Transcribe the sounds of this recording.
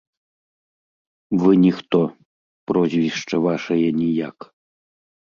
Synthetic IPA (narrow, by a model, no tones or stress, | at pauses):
vɨnʲixt̪ɔ | prɔzʲvʲiʂt͡ʂɐvaʂɐjɛnʲijak